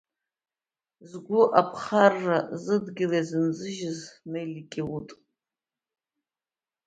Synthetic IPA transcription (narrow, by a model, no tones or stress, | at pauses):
zɡʷʊʔapʰχarːazɨdɡʲɪlazɨnzɨʒɪznejlikʲʼɪwutʼ